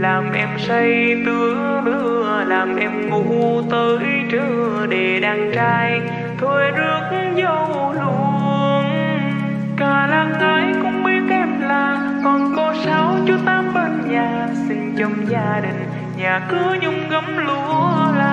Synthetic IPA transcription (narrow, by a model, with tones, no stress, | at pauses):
laː˨˩mʔɛ˧msə˧jt̪ɨ˨˧˦ə | ɗɨ˧˩əlaː˨˩mʔɛ˧mŋu˨˦˧t̪əː˨˦ | t͡ɕɨ˧˩ | ɗe˨˩ɗaː˧˩ŋt͡ɕaː˧j | t̪ʰo˧˩jzɨ˨˦ək̚ | zə˧wwlu˧˩ŋ | kaː˧˩laː˧ŋʔəː˨˦jkʊ̰˧˥ŋ͡mɓi˧˦ət̪̚ʔɛ˧mlaː˨˩ | kɔ˨˩nko˧sa˨˦wt͡ɕu˨˧˦t̪aː˨˦mɓa˧˩nɲaː˨˩ | sï˧ŋ̟t͡ɕə˧˩wŋ͡mzaː˧ɗï˨˩ŋ̟ | ɲaː˨˩kɨ˨˦əɲʊ˧ŋ͡mɣə˧˦mlu˧˦laː˨